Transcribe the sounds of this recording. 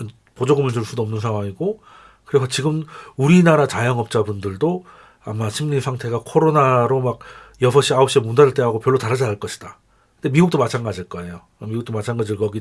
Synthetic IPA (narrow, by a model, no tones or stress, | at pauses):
ɯn | pod͡ʑʌɡɯmɯɭt͡ɕuɭs͈udoʌmnɯnsʰaŋwaŋiɡo | kɯɾesʰʌt͡ɕiɡɯmuɾinaɾat͡ɕajʌŋʌp̚t͡ɕ͈abundɯɭdo | amaɕʰimɲisʰaŋtʰe̞ɡakʰoɾonaɾomak̚jʌsʰʌɕ͈iaʌp̚ɕ͈imundaɾɯɭt͈eɦaɡopjʌɭːotaɾad͡ʑaaɭk͈ʌɕʰi̥d̥a | kɯnde̞miɡuk̚t͈omat͡ɕʰanɡad͡ʑiɭk͈ʌe̞jo | miɡuk̚t͈omat͡ɕʰanɡad͡ʑiɭkʌɡi